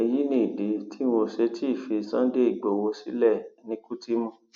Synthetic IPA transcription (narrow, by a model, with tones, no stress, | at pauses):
e˧ji˦nĩ˦˨i˨de˨˦tʰi˦o˧ʃe˧ti˦i˦˨fi˧sã˦de˦i˨ɡ͡bo˨wo˧si˦lɛ˦˨nĩ˧˦ku˦ti˦mũ˦˨